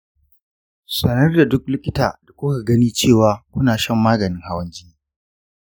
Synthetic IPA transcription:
sɐ˨nɐ˦rda˨dʊ˦k̚lɪ˦kʲɪ˦ta̰ː˨d̥a˨kʷʊ˦ka˨ɡɐ˦niː˦t͡ʃeː˦˨waː˨kʷʊ˦naː˨ʃɐ˦˨mːaː˦ɡɐ˨nɪ˦ŋha˦wɐ˦nd͡ʒiː˦

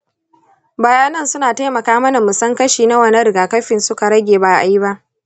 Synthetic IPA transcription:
ba˨jaː˦nɐ˦nsʊ˦naː˨ta˦jmɐ˨kaː˦mɐ˦na˨mʊ˨sɐ˦ŋkɐ˦ʃiː˨na˦wɐ˨nɐ˦ɾɪ˨ɡaː˨kɐ˦ɸɪ˨nsʊ˦ka˨ɽɐ˦ɡʲeː˨baː˨ʔa˨ji˦ba˦ʔ

